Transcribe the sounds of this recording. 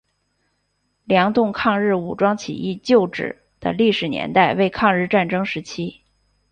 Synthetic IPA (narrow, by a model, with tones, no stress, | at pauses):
ljɑ˧˥ŋt̪ʊ˥˧ŋkʰɑ˥˧ŋɻɻ̩˥˩u˨˩ʈ͡ʂwɑ˥ŋt͡ɕʰḭ˨˩i˥˧t͡ɕjo˥˩ʊʈ͡ʂɻ̩̰˨˩˦ | d̪̥ə̰˦li˥˩ʂɻ̩˨˩njɛ̰˧˥nt̪a˥˧ɪwe˥˧ɪkʰɑ˥˧ŋɻɻ̩˥˧ʈ͡ʂa˥˩nʈ͡ʂɤ˥ŋʂɻ̩˧˥t͡ɕʰi˥